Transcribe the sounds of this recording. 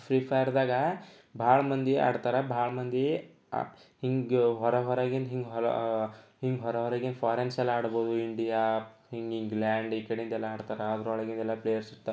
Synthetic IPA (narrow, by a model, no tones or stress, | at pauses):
fɾiːpaiɾd̪aːɡɐ | bʱaːɭmɐnd̪ia̰ːɽt̪aːɾebʱaːɭmɐnd̪ḭ | hiŋɡɡɦɔɾɛɦɔɾaːɡenɦiŋɡɦɔ̰ | hiŋɡɦɔɾɛɦɔɾaɡenpʰaːɾensɛlːɐaːɽboːd̪uiɳɖija | hiŋɡiŋɡlaːɳɖikːɐɽiind̪ɛlːaaːɽt̪aːɾeaːd̪ɾuɦɔɭɐɡind̪ɛlːɐplejɐɾsiɾt̪ːa